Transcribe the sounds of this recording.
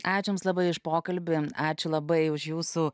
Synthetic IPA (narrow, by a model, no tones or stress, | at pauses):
ɑːt͡ʃʲʊmslˠɐbɐɪɪʃpoːkɐlʲbʲɪɑːt͡ʃʲʊlˠɐbɐɪʊʃjuːsuː